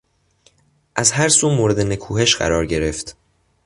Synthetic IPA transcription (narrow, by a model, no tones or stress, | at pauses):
ʔæzhæɾsuːmoːɾe̞d̪e̞ne̞kʰuːɦe̞ʃɢ̥æ̰ɾɒːɾɟe̞ɾe̞ft̪